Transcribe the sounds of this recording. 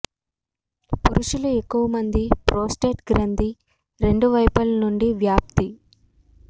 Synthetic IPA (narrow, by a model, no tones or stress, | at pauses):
puɾuʃuluekːuʋɐmɐnd̪ipɾoːsʈe̞ːʈɡɾɐnd̪i | ɾe̞ɳɖuʋɐjpɐlnuɳɖiʋjaːp̚t̪i